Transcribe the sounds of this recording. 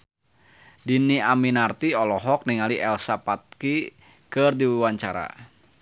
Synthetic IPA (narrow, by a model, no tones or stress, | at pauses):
diniaminart̪iɔlɔɦɔk̚niŋaliʔɛlsapat̪̚ki | kɨrdiwiwaɲt͡ʃaɾa̰